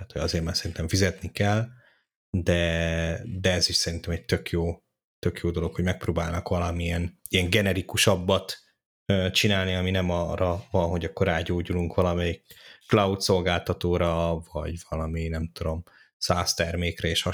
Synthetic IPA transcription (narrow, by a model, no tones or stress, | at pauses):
t̪aːt̪ho̞ɟɒzeːɾmansɛɾint̪ɛɱfizɛt̪nikɛl | d̪ɛ | d̪ɛɛziʃsɛɾint̪ɛmɛc̚t̪økjoː | t̪økjoːd̪o̞lo̞kho̞ɟmɛk̚proːbaːlnɒkʋɒlɒmiɛn | ijɛŋɡɛnɛɾikuʃɒbːɒt̪ | øt͡ʃinaːlniɒminɛmɒrɒvɒnɦo̞ɟɒkːo̞ɾaːɟoːɟuluŋkʋɒlɒmɛjikːlɒut̪so̞lɡaːlt̪ɒt̪oːɾɒvɒ̰ɟvɒlɒminɛmt̪ud̪o̞m | saːst̪ɛrmeːkrɛeːʃɒ